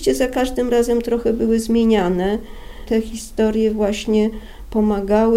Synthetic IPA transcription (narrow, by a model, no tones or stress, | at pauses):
t͡ɕɛzakaʐd̪ɘmɾazɛmt̪ɾɔxɛbɘwɘzmʲjeɲanɛt̪ɛxʲist̪ɔɾʲjɛvwaɕɲɛ | pɔmaɡawɘ